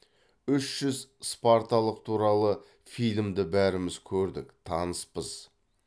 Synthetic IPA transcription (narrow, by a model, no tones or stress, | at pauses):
ʏʃʒ̥ʏzspaɾt̪alˠəqt̪ʰuɾɑlˠə | fijlʲmd̪ɪbæɾɪmɪz̥kʲʰɵɾd̪ɪkt̪ʰɑnəspəz̥